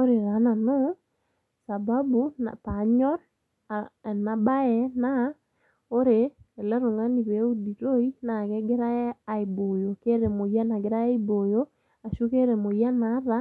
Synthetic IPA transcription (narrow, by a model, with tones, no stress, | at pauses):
o˦ɾe˨ɾa˨˦na˨no˦ | sa˨ba˦bu˦na̰˨pa˨ɲɔ˦ɾ | na˨ba˦ɛna˦ | o˦ɾeɛ˨lɛ˦ɾo˨ŋa˦ni˨βɛ˨u˦di˨ɾo˦i˦na˨kɛ˦ɡe˦ɾaː˦˨i˨bo˨jo˨ke˦ɾɛ˨mo˨ja˦na˨ɡe˦ɾa˦a˦i˦bo˨jo˦ | a˨ʃu˦ke˦ɾɛ˨mo˨ja˦na˦ða˦